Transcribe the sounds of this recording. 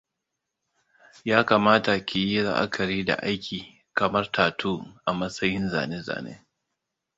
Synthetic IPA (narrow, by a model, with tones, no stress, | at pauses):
jaː˦kaː˨maː˦ta˨kʲɪ˨ji˦ɾa̰˦ʔa̰˦kʰɐ˨ɾiː˦da̰˨ʔa˦jkʲʰiː˨ | kɐ˨mɐ˦rtʰaː˨tʰuː˦ʔa˨mɐ˦sɐ˦jɪ˦nza̰ː˨ne˦za̰ː˨nḛː˦